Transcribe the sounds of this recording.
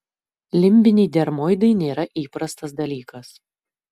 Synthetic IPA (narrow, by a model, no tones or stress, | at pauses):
lʲɪmʲbʲɪnʲɛːd̪ʲɛɾmoːjd̪ɐɪnʲeːɾɐʔiːpɾɐst̪ɐsd̪ɐlʲiːkɐs